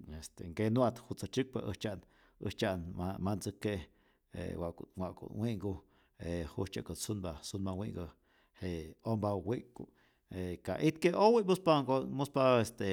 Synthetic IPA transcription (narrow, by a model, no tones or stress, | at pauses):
est̪eŋkenwat̪hut͡sat͡ʃɨk̚pa̰ʔəht͡ʃaʔn | ə̰ht͡ʃaʔnamant͡səke | ḛwakwaʔkṵnwiʔŋɡu | ehut͡ʃaʔkəsunbasunmawiŋɡə | heombawiʔku | eka̰ʔit̪keʔowiʔmuspaɡomuspaest̪e